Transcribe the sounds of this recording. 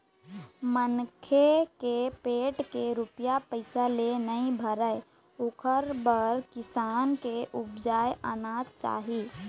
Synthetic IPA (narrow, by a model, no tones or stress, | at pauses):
mənkʰekepeːʈkeɾupjapəɪsalenəĩbʱəɾəe | okʰəɾbəɾkɪsaːnkeʔʊbd͡ʒaːjʔaːnat͡ʃa̰ːɦi